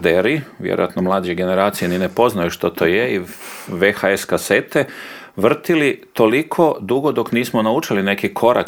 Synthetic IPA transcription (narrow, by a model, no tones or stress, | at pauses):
d̪eɾiʋjḛɾo̰jat̪nomlˠaːd͡ʒeɡe̞ne̞ɾaːt̪sijeninepo̞znajuʃt̪ot̪o̞jeiʋexaeskase̞t̪e | ʋr̩t̪ilit̪o̞likʰo̞d̪uɡo̞d̪o̞kniːsmonaut͡ʃiline̞kikʰo̞ɾa̰k